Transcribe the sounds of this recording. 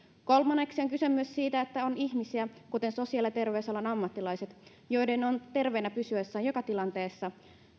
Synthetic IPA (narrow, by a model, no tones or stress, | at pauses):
ko̞lmɑnːe̞ksioŋkysømːyssiːt̪æet̪ːæoniçmisiækut̪e̞nso̞siɑlːɑt̪e̞rʋeusolːɑnɑmːɑt̪ːilɑjse̞t̪ | jo̞jdeno̞nt̪e̞rʋejnːæpysyøsːɑːnjokɑt̪ilɑnt̪e̞ːsːɑ